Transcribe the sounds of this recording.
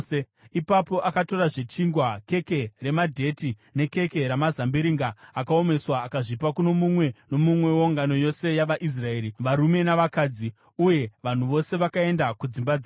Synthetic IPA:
e | ipapo̞ʔakato̞ɾaʐe̞t͡ʃiŋɡwake̞ke̞re̞madʱe̞tine̞ke̞ke̞ɾamazambiɾiŋɡaːkao̞me̞swaːkaʐipakuno̞mumwe̞no̞mumwe̞wo̞ŋɡano̞jo̞se̞jaʋaʔis̬rae̞ːɾiʋaɾume̞naʋakaːd͡zi | uje̞ʋan̤uʋo̞se̞ʋakae̞ndakud͡zimbad͡za

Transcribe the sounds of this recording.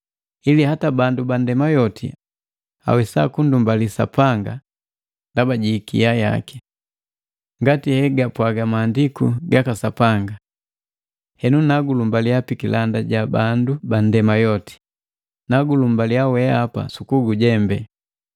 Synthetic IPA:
ilihatabandubandɛmajɔtʰḭ | a̰wɛsa̰kundumbalisa̰paŋɡa̰ | ndabaɟiːkḭjaja̰ki̥ | ŋɡatihɛɡapwaɡamaːndikuɡakasapaŋɡa | hɛnunaɡulumbalijapikilʔandaɟabandubandɛmajɔti̥ | naɡulumbaliawɛapa̰sukuɡuɟɛmbɛ

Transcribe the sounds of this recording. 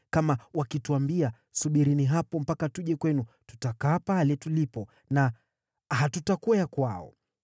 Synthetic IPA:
kamawakituambia | suɓiɾiniɦapɔm̩pakatuʄɛkwɛnu | tu̥takaːpalɛtulipɔ | na | ɦatutakɔjakwaɔ̰

